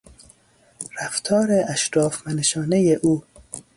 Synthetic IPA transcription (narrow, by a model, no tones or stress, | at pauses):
ɾæft̪ʰɒːɾeʔæʃɾɒːfvæneʃɒːnejeʔuː